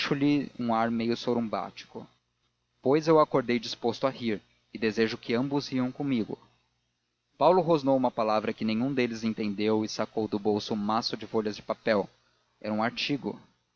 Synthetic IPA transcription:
ʃʊlɪṵ̃aɾmejʊsobɾɪũba̰t͡ʃi̥kʊ̰ | pojzewakoɾd̪ejd͡ʒispost̪ʊahiɾ | ɪd̪ezeʒʊkɪɐ̃mbʊziɐ̃w̃kõmiɡʊ̰ | pawlʊɦoznowũmɐpalavɾɐkɪnẽɲ̃ũd̪elɪzẽnt̪ẽnd̪ewɪsakowd̪ʊbowsʊũmasʊd͡ʒɪfoʎɐzd͡ʒɪpapɛw | ɛ̰ɾɐũaɾt͡ʃiɡʊ̰

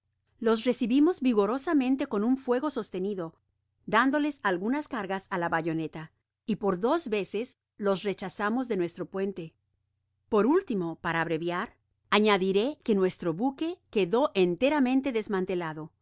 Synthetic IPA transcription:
lo̞s̬re̞siβimo̞zbiɣo̞ɾo̞samẽnt̪e̞ko̞nuɱfwe̞ɣo̞so̞st̪e̞niðo̞ | d̪and̪o̞le̞salɣunaskaɾɣasalaβaʝo̞ne̞t̪a | ipo̞ɾðo̞zβe̞ses | lo̞sre̞t͡ʃasamo̞zðe̞nwe̞st̪ɾo̞pwe̞nt̪e̞ | po̞ɾult̪imo̞paɾaːβɾe̞βjaɾ | aɲaðiɾe̞ke̞nwe̞st̪ɾo̞βuke̞ke̞ðo̞ʔent̪e̞ɾamẽ̞nt̪e̞ðe̞zmãnt̪e̞laðo̞

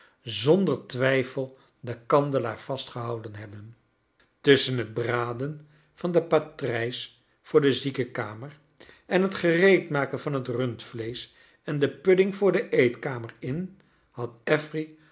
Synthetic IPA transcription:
zɔndəɹtʋɛjfəlˠ | dəkɑndəlaːɹv̥ɑstχəɦɑwdənɦɛbən | tɵsənɦəd̚braːdən | v̥ɑndəpatrɛjs | fʊːɹdəzikəkaːməɹ | ʔɛnɦətχərejtmaːkənvɑnɦətrɵntflejs | ɛndəpɵdɪŋvʊːɹdəʔejtkaːməɹɪn | hɑtɛfri

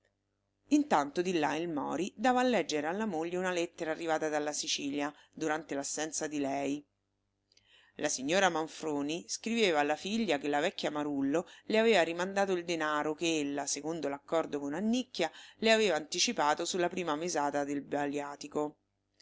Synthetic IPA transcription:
int̪ant̪od̪ilːailmɔ̰ːɾid̪aːvaːlːɛd͡ʒːeɾealːamoʎːeunalɛt̪ːeɾaːrːivaːt̪ad̪alːasit͡ʃiːlja | d̪uɾant̪elasːɛnt̪sad̪ilɛj | lʔasiɲːoːɾamaɱfɾoːniskɾiveːvaːlːafiʎːakelːavɛkːjamaɾulːoleaveːvaɾimand̪aːt̪oild̪enaːɾokeelːasekond̪olakːɔrd̪okonanːikːjaleaveːvaːnt̪it͡ʃipaːt̪osulːapɾiːmamezaːt̪ad̪elbaljaːt̪iko

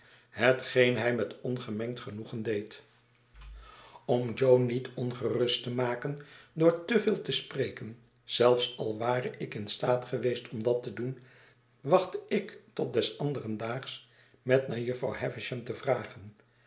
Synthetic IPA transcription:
ɦətχejnɦɛjmɛtɔnχəmɛŋktχənuχəndejt | ɔmd͡ʒownitʰɔnχərʏstəmaːkəndʊːɹtəvɪːlˠtəsprejkən | z̥ɛlˠfsɑlˠʋaːɾəʔɪkɪnstaːtχəʋejstʰɔmdɑtədun | ʋɑχtəɪktɔt̚dɛsɑndərəndaːχs | mɛtnaːɹjɵfra̰whɛvɪʃɛmtəvraːχən

